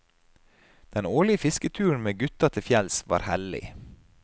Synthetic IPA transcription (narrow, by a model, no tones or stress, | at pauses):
d̪̥ɛnoːɭɪəfɪskət̪ʰʉːɳ̩meːɡʉt̪ɑt̪ʰɪfjɛlsʋɑ̰ːɾhɛlɪ̰